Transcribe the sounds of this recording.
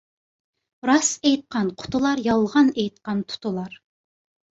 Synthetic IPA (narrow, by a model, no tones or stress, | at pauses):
ɾɑsejt̪̚qɑnqʰʊ̥t̪ʰʊlˠɑɾjɑlˠʁɑnejt̪̚qɑnt̪ʰʊ̥t̪ʰʊlˠɑɾ